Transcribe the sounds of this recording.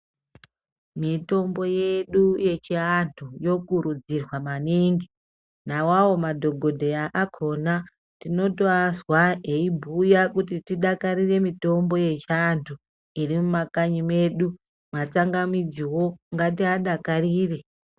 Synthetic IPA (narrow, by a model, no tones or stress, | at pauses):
mito̞mbo̞je̞ɗuje̞t͡ʃiantʰujo̞kuɾud͡zirwamaniŋɡi | nawawo̞madʱo̞ɡʱo̞dʱe̞aʔakʰo̞na | tino̞toazwaɦe̞ibʱujakutitiɗakaɾire̞mito̞mbo̞je̞t͡ʃantʰu | irimumakaɲime̞ɗu | mat͡saŋɡamid͡ziwo̞ŋɡatiaɗakariːre